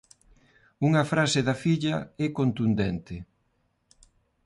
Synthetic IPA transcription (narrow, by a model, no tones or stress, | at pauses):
uŋɐfɾaseðɐfiʎɐɛkont̪und̪ɛnt̪ɪ